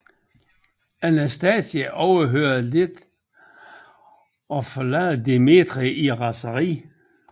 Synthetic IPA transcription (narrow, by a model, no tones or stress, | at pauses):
ænæsd̥ɛːsjəʔɒʊɐɦøɐðˠle̝d̥ | ɒfɒlæːd̥eme̝d̥ʁiʔiʁɑ̈səʁḭː